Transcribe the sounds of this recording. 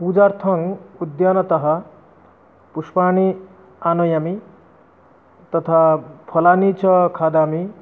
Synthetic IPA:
pud͡zart̪ʰʌŋud̪janʌt̪ʌɦʌ | puspani | anʌjami | t̪ʌt̪ʰapʰʌlanit͡sʰʌkʰad̪ami

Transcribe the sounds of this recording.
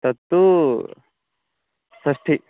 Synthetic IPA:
t̪ɐt̪ːu | sɐʂʈʰi

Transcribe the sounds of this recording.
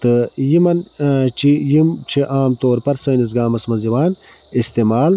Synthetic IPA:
t̪ɨjimɐnt͡ʃʰijimt͡ʃʰiʔaːmt̪oːɾpɐɾsɐːnis̬ɡaːmɐsmɐnziwaːn | ist̪eːmaːl

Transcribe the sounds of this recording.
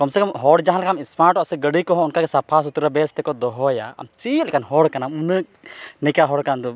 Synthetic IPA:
kɔmsɛkɔmɦɔɽd͡ʒaɦanlkamismaɾʈɔsɛɡəɽikɔɦɔ̃ɔnkaɡɛsapʰas̬ut̪uɾabɛst̪ɛkɔd̪ɔɦɔja̰a̰mt͡ʃit̪lkanɦɔɽkanamunək̚nɛkaɦɔɽkand̪ɔ

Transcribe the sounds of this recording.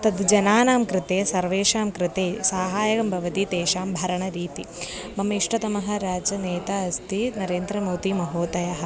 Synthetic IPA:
t̪ɐd̪d͡ʒɐnaːnaːmkɾɪt̪eːsɐɾʋeːʃaːmkɾɪt̪eːsaːɦaːjɐkɐmbʱɐʋɐt̪it̪eːʃaːmbʱɐɾɐɳɐɾiːt̪i | mɐmɐiʂʈɐt̪ɐmɐɦɐ̆ɾaːd͡ʒɐneːt̪aɐst̪ʰinɐɾeːnd̪ɾɐmoːt̪imɐɦoːt̪ɐjɐɦɐ̆

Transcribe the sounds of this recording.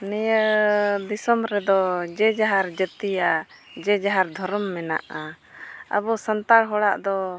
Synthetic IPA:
nɛjəd̪isɔmɾɛd̪ɔd͡ʒɛd͡ʒaɦaɾd͡ʒət̪ija | d͡ʒɛd͡ʒaɦaɾd̪ʱɔɾɔmːɛna̰ʔa | ə̰bɔsənt̪aɽɦɔɽaʔd̪ɔ

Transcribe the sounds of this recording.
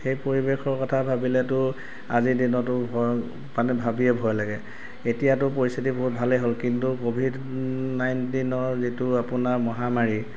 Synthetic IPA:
xejpoɹibexɔɹkɔtʰabʱabilɛtʊ | azidinɔtʊbʱɔ | panɛbʱabiɛbʱɔjlaɡɛ | etijatʊpoɹist̪ʰitibɔɦut̚bʱalɛɦolkintukobʱid | najntinɔɹzituapʊnaɹmɔɦamaɹi

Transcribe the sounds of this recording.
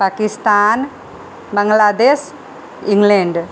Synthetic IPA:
pakist̪an | baŋlad̪ɛs | iŋlɛɳd

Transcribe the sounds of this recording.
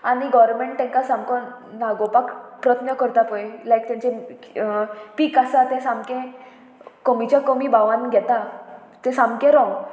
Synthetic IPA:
añiɡɔɾmeɳʈt̪ɛ̃ŋkasãmkɔnaɡopakpɾət̪nəkəɾt̪apɔelajkt̪ãɲt͡ɕe | piːkasat̪ɛ̃sãmkẽ | komit͡ɕjakomibaʋãnɡʱɛt̪a | t̪ɛ̃sãmkẽɾɔ̃ŋɡ

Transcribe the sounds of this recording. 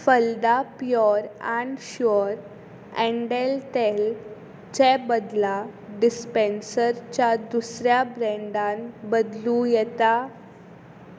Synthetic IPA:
fəld̪apjɔɾaɳɖɕɔɾ | ɛ̃ɳɖelt̪el | t͡ɕɛbəd̪laɖispensəɾt͡ɕjad̪usɾjabɾɛ̃ɳɖãnbəd̪lũjɛt̪a

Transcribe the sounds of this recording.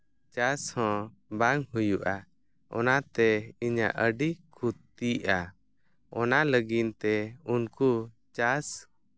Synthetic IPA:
t͡ʃashɔ̃ | baŋɦujuʔa | ɔ̰nat̪ɛiɲa̰ʔəɖikʰut̪ː | iʔa | ɔnaləɡint̪ɛunku | t͡ʃas

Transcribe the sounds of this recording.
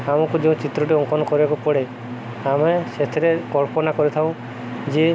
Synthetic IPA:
amɔkud͡ʒeũt͡ʃit̪ɾɔʈ̬iɔŋkɔnɔkɔɾibakɔpɔɽe | ameset̪ʰeɾekɔɭpɔnakɔɾɛt̪ʰaw̃ | d͡ʒe

